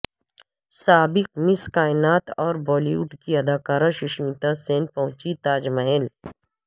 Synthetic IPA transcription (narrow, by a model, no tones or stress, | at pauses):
saːbɪq̚mɪskaːɪnaːt̪ɔːɾbɔːliuːʈkiɐd̪aːkaːɾãʃɪʃmit̪aseːnpɐɦʊ̃t͡ʃit̪aːd͡ʒmɐɦel